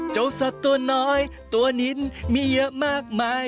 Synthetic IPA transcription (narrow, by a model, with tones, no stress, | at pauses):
t͡ɕo˨˦wsə˨˧˥t̚t̪o˧˦nɔ˧˦j | t̪u˧˩ni˧˦˥nmi˧˩ə˨˧˩maː˧˩k̚ma˧˦